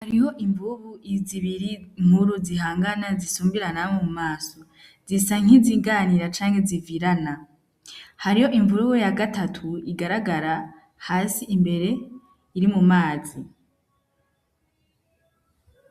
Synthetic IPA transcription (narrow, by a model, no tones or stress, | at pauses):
haɾiho̞ʔiɱvuβuiziβiɾiŋ̥huɾuziɦaːŋɡanazisuːmbiɾanamomumaːso̞ | zisaŋ̥iziːɡaːniɾat͡ʃaːŋhe̞ziviɾana | haɾiho̞ʔiɱvuɾujojaɡatatʰuiɡaɾaɡaɾa | haːsiʔimbe̞ɾe̞ | iɾimumaːzi